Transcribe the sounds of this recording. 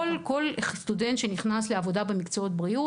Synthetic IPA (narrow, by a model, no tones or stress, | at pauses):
lko̞lest̪ude̞nt̪ʃeniχnas̬leavo̞dabemikt͡soot̪̚bʁiu